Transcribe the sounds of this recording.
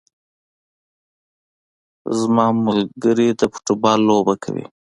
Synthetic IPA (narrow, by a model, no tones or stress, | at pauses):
zmɑmʊlɡəɾid̪əpʊ̥ʈubɑlːobakʰa̰wḭ